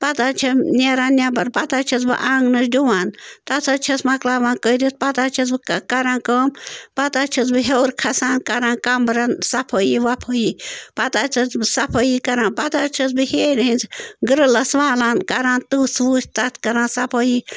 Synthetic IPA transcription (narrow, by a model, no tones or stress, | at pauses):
pɐt̪at͡ʃʰɐnʲeɾaːnnʲabɐɾpɐt̪aːt͡ʃʰɐt͡sbɨ̰ʔaːŋɡnɨsduʋaːnt̪ɐt͡sʰɐt͡ʃʰɐsmɐklaːʋãːnkəɾit̪pɐt̪aːt͡ʃʰɐs̬bɨkkɐɾãːnkəːmpɐt̪aːt͡ʃʰɐt͡sbɨɦewɾkʰɐsaːnkɐɾãːnkɐmbɾɐnsɐpʰəjiʋapʰəjipɐt̪aːt͡ʃʰɐt͡ssɐpʰəjikɐɾãːnpɐt̪at͡ʃʰɐsbɨheːɾĩnd͡zɡɾɨlɐsʋaːlaːnkɐɾãːnt̪usʋuːsʲt̪ɐt̪ʰkɐɾãːnsɐpʰəji